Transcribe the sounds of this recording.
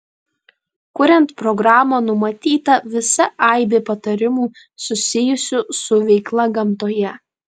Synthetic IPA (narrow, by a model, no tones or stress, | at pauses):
kʊɾʲɛnt̪pɾɔɡɾɑːmoːnʊmɐt̪ʲiːt̪ɐʋʲɪsɐʔɐˑɪbʲeːpɐt̪ɐɾʲɪmuː | sʊsʲɪjʊsʲʊsʊʋʲɛɪklˠɐɡɐmt̪oːjɛ